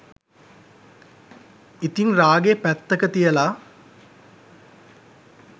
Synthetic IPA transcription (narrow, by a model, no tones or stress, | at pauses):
it̪iŋraːɡepæt̪ːəkət̪ijəla